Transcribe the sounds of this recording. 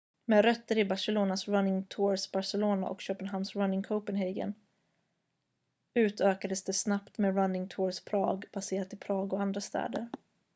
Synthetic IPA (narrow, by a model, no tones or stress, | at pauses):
meːɾœt̪ːəɾɪbaʂɛloːnasɾanːɪŋt̪ʰuːɾsbaʂɛloːna̰ʔɔ̰kɕøːpənɦamsɾanːɪŋkʰoʊpənɦɛɡə̰n | ʉ̟ːt̪ʰøːkad̪əsd̪ɛsnapt̪meːɾanːɪŋt̪ʰuːɾspʰɾɑ̰ːɡb̥aseːɾat̪ɪpʰɾɑːɡɔand̪ɾast̪ʰɛ̰ːd̪əɾ